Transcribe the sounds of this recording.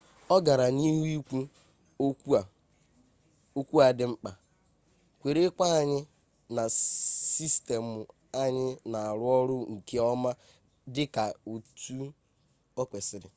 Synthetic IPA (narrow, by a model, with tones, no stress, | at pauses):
ɔ˦ɡa˨ɾa˨ni˦ɦi˦kʷu˦ | o˦kʷu˦a˨ | o˦kʷu˦a˨dɪ˦ŋ͡m̩˦k͡pa˨ | kʷe˨ɾe˦kʷa˦˨ɲɪ˦ | na˨si˦ste˨mʊ˨ | a˦ɲɪ˦na˨a˨ɾʊ˦ɔ˦ɾʊ˦ŋ̩˨ke˦ɔ˦ma˦ | dɪ˦ka˨u˨tu˦ | ɔ˦kʷe˨sɪ˦ɾɪ̰˨